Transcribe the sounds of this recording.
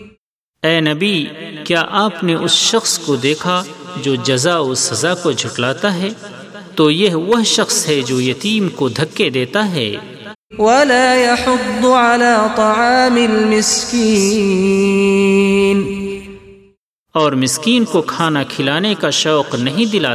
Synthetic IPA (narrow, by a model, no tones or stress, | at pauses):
ɛːnɐbikjaːʔaːpneʔʊsʃɐxskod̪eːkʰad͡ʒoːd͡ʒɐzaʊsːɐzakod͡ʒʱʊʈlaːt̪aɦɛː | t̪ojɐɦʋɐɦʃɐxsɦɛd͡ʒoːjɐt̪iːmkod̪ʱɐkːed̪eːt̪aɦɛ̰ː | wɐlaːjɑħʊd̪ːʕalaːt̪ˤɑʕɑːmɪlmɪskiː | n | ɔːɾmɪskiːnkokʰaːnakʰɪlaːnekaʃɔːqnɐɦĩd̪ɪlaː